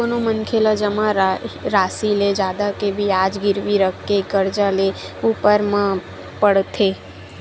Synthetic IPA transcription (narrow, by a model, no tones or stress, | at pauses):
oːnomənkʰelad͡ʒəmãɾɾaːsiled͡ʒjaːd̪akebʱiaːd͡ʒɡɪɾʋiɾəkʰːeɡəɾd͡ʒaleuːpəɾmã | pəɽt̪ʰeː